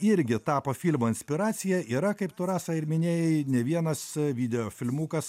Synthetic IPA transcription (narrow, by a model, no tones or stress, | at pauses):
ɪɾʲɡʲɪt̪ɑːpofʲilʲmoːɪnʲsʲpʲɪɾɑːsʲɪjɛiːɾɐkɐɪpt̪ʊɾɑːsɐɪɾmʲɪnʲeːjɛɪnʲɛʋʲiɛnɐsʋʲid̪ʲɛjoːfʲɪlʲmuːkɐs